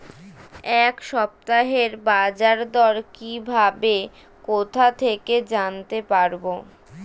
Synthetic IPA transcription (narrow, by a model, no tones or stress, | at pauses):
ɛkʃɔp̚t̪aɦeɾbad͡ʑaɾd̪ɔɾkibʱabe | kot̪ʰat̪ʰeked͡ʑant̪epaɾbo